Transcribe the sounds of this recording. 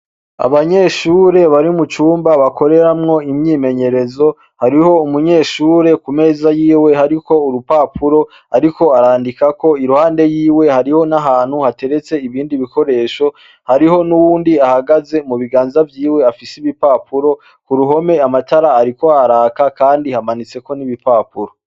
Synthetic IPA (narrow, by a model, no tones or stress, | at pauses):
a̰βaɲe̞ʃuːɾe̞βaɾimut͡ʃuːmbaβako̞ɾe̞ɾamŋo̞imɲiːme̞ɲe̞ɾe̞zo̞ | haɾiho̞umuɲe̞ːʃuːɾe̞kume̞ːzajiːwe̞haɾiko̞uɾupapuɾo̞ | aɾiko̞aɾaːndikako̞iɾuhaːnde̞jiːwe̞haɾiho̞naɦaːn̥huhate̞ɾe̞t͡se̞iβiːndiβiko̞ɾe̞ːʃo | haɾiho̞nuwuːndiahaɡaze̞muβiɡaːnzavjiːwe̞afisiβipaːpuɾo̞ | kuɾuɦo̞me̞amataɾaːɾikoaɾaːkakaːndihamanit͡se̞ko̞niβipaːpuɾo̞